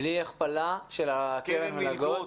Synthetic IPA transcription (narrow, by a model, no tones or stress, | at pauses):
liaχpalaʃelakeelaɡo